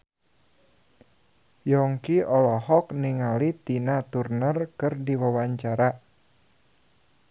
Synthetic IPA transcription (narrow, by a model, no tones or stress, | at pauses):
jɔŋkiɔlɔhɔkniŋalit̪inat̪urnərkɨrdiwawaɲt͡ʃaɾa